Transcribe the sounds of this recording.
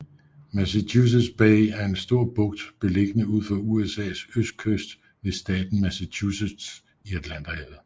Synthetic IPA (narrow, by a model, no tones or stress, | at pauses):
mæsæt͡sʰuːs̬ed̥sb̥ɛɪæɐe̝nsd̥o̝ɐ̰b̥ɔ̽ɡ̥d̥b̥e̝le̝ɡ̥ənəuð̞̰ˠfɒuesɛ̰ːsøsd̥̚kʰøsd̥ | ʋe̝sd̥ɛ̰ːd̥n̩mæsæt͡ɕʰused̥s | iæd̥læn̰d̥ɐhɛð̩ˠ